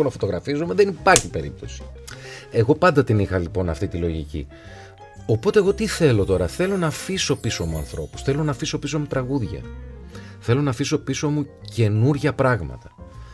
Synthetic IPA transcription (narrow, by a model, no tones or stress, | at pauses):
onɐfot̪o̞ɣɾɐfizumeðenipɐɾçipe̞ɾip̚t̪o̞si̥e̞ɣo̞pɐnd̪ɐt̪inixɐlipo̞nɐft̪it̪ilo̞ʝḭcḭ | o̞po̞t̪e̞ːɣo̞t̪iθe̞lo̞t̪o̞ɾɐθe̞lo̞nɐfiso̞pisomuɐ̰nθɾo̞̰pu̥sθe̞lo̞nɐfiso̞pisomut̪ɾɐɣuðʝɐ̰ | θe̞lo̞nɐfiso̞piso̞muce̞nuɾʝɐpɾɐɣmɐ̰t̪ɐ̥